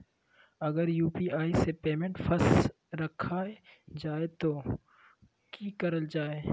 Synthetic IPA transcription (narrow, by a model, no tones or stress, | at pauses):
ɐɡəɾjuːpiʔaːisepeːmẽɳʈfɐs | ɾɐkʰad͡ʒaːet̪oː | kiːkɐɾəld͡ʒaːeː